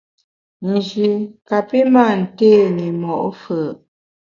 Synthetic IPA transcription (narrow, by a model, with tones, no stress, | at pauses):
n̩˨d͡ʒi˨ka˨pi˦ma˦˨n̩˨teː˦˨ni˨mɔ˨ʔfə˨